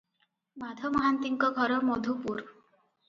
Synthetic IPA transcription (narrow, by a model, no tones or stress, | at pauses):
mad̪ʱɔmɔɦant̪iŋkɔɡʱɔɾɔmod̪ʱupuɾ